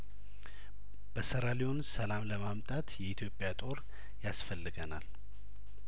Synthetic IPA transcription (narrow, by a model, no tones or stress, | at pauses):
b̥əsəɾalionsəlamləmamt̪ʼat̪jɛit̪ʰjo̞pʼjat̪ʼo̞ɾ | jasfəlːɨɡənal